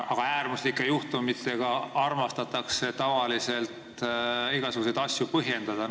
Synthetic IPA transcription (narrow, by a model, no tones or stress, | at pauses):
ɑɡ̥ɑæːɾmuslikːˑe̞juht̪umit̪ːˑe̞ɡ̥ɑɑrmɑst̪ɑt̪ːˑɑkse̞t̪ɑvɑlise̞lt̪iɡ̥ɑsuɡ̥use̞jd̪̥ɑsʲjupɤɦje̞nd̪̥ɑd̪̥ɑ